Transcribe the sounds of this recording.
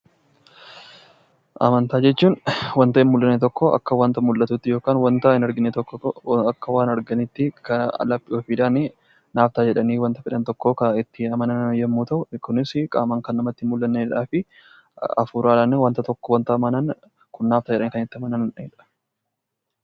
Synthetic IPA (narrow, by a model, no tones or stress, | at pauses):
ʔɐ̰mɐnt̪aːd͡ʒɛt͡ʃːuːnwɐnt̪ɐʔɪnmʊlːɐnːet̪ɔkːoɐ̰kːɐwɐnt̪ɐmʊlːɐt̪uːt̪ːɪjoːkaːnwɐnt̪ɐɪnɐɾɡɪnːet̪ɔkːɔɐkːɐwaːnɐɾɡɐnɪt̪ːɪkɐɐ̰lɐpʼːɪoːfiːᶑaːne | naːft̪aːd͡ʒɛᶑɐniːwɐnt̪ɐfɪᶑɐnt̪ɔkːoːkɐɪt̪ːɪɐmɐnɐnjɛmːuːt̪ɐʔʊkʊnɪskʼa̰ːmɐŋkɐnːɐmɐt̪ːɪmʊlːɐnːeːᶑaːfɪ | ɐ̰fuːɾaːlɐnːewɐnt̪ɐt̪ɔkːɔwɐnt̪ɐmɐnɐn | kʊnːaːft̪aːd͡ʒɛᶑɐniːkɐnɪt̪ːɪɐmɐnɐnᶑɐɪᶑɐ̥